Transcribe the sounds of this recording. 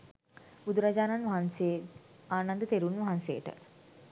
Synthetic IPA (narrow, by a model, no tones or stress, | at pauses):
b̥ud̪uɾad͡ʒaːnanʋɐɦanseːaːnand̪ət̪eɾunʋɐɦansḛjəʈə̰